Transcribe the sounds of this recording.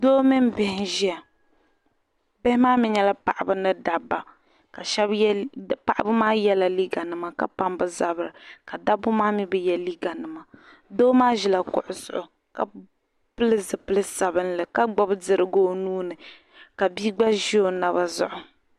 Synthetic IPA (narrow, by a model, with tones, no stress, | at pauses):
doː˦mi˦mbɪ˨hɪ˦ʒi˦a˨ | bɪ˦hɪ˦maː˦mɪ˦ɲɛ˦la˦pa˨ʔa˨bɨ˦nɨ˦da˨bːa˨ | ka˨ʃɛ˦bpa˨ʔa˦bɨ˦maː˦jɛ˦la˨li˦ɡa˨nɨ˨ma˨ka˨pa˦mbɨ˨za˦bɨ˨ɾɨ˨ka˨da˦bʊ˦maː˦mi˦bɛ˨jɛ˦li˦ɡa˨nɨ˨ma˨ | doː˦maː˦ʒi˨la˨kʊ̰˨ʔʊ˨sʊ̰˨ʔʊ˨ | ka̰˨ | pɨ˦lɨ˦zɨ˨pɨ˦lɨ˦sa˨bɨ˦nlɨ˨ka˦ɡ͡ba˦bɨ˦dɨ˨ɾɨ˦ɡoː˦nuː˦nɨ˨ | ka˨biː˦ɡ͡ba˦ʒi˦o˨na˨βa˨zʊ̰˦ʔʊ˨